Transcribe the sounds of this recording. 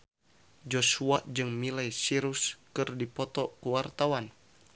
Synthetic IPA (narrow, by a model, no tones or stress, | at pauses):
d͡ʒosuaʔd͡ʒɨŋmilajsiɾuskɨrdipɔt̪ɔkuwart̪awan